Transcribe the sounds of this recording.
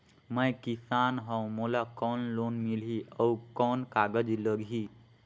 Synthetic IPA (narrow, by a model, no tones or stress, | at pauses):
məjkisanɦə̃w̃molakɔnlonmilɦiəwkɔnkaɡəd͡ʒiləɡɦi